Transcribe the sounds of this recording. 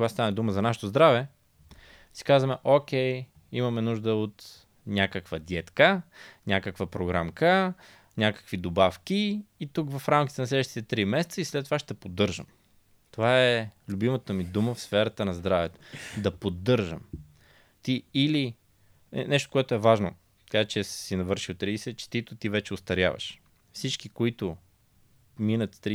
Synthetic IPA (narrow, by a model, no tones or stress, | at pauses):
oɡast̪anɛd̪uməzɐnaʃɛt̪ozd̪ɾavɛ | si̥kazvəmɛʔokʲɛj | imɐmɛnuʒd̪əot̪ | nʲakəkvəd̪ʲɛt̪kənʲakəkvəpɾoɡɾamkə | nʲakə̥kvid̪obafkiːt̪ukvɐfɾamk̟i̥t̪ɛnɐslɛd̪vəʃt̪i̥t̪ɛt̪ɾimɛsɛt̪səislɛt̪ːovaʃt̪ɛpod̪ːɤɾʒə̰m | t̪ovaɛlʲʊbimət̪əmid̪uməfsfɛɾət̪ənɐzd̪ɾavɛt̪o̥d̪ɐpod̪ːɤɾʒə̰m | t̪iːli | nɛʃt̪o̥koɛt̪ʊɛvaʒno̰̥ | kat͡ʃɛssinɐvɤɾʃit̪ːɾiɛsɛt͡ʃɛ̥t̪it̪ʊt̪ivɛt͡ʃɛʊst̪ɐɾʲja̰və̰ʃ | fsit͡ʃkikoit̪ʊ | minət̪t̪ɾi